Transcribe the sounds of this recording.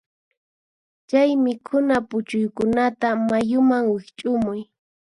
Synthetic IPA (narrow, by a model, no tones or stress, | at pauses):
t͡ʃajmɪkʰʊnapʊt͡ʃʊjkʊnat̪amajʊmaŋwɪχt͡ʃʼʊmʊj